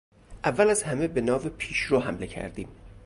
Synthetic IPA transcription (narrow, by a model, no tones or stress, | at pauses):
ʔævːælæzhæmebe̞nɒːvepʰiːʃɾoːhæmle̞cʰæ̰ɾd̪ḭːm